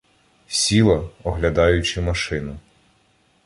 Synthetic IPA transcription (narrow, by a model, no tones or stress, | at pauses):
sʲilˠɐɔɦlʲɐd̪ɑjʊt͡ʃɪmɐʃɪnʊ